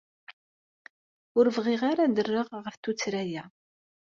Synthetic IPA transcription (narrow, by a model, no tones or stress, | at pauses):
ʊɾəvʁiʁaɾad̪ərːəʁʁəfθut͡sːɾæjæ